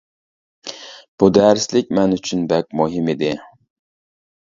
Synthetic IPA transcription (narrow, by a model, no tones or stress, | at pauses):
b̥ud̪ɛɾslɪkʲmɛnyt͡ʃʰynbɛk̚ʲmuɦɪmid̪ɪ